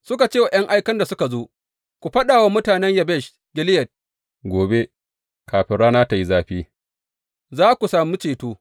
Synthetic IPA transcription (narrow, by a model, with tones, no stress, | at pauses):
sʊ˦ka˨t͡ʃeː˦wa˨j̰ɐ˦ŋʔa˦jkɐ˦nda˨sʊ˦ka˨zoː˦ | kʷu˨ɸɐ˦ɗaː˨wa˦mʊ˦taː˨nɛ˦ɲjɐ˨bɛ˦˨ʃ | ɡʲɪ˦lɪ˦jɐ˨t̚ | ɡʷoː˨be˦ | kaː˨ɸɪ˦ɽaː˦naː˦ta˨ji˦zaː˦ɸiː˦ | zaː˦kʷu˨saː˨mu˦t͡ʃeː˨toː˦